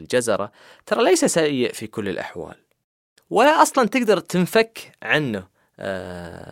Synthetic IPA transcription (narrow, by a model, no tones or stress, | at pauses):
ld͡ʒazɑ̰ɾˤɑ̰ | t̪ɑɾˤɑlajsasajːɪʔfikʊlːɪ̰lʔa̰ħwa̰ːl | wɪʔɑsˤlɑnt̪ɪɡd̪ɑɾˤt̪ɪnfakːʕanːʊ